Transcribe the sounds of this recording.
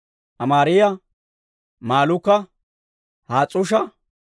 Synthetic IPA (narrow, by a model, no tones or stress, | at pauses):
ʔɐmaːɾɪjɐ | maːlʊkːɐ | haːt͡sʼːʊʃɐ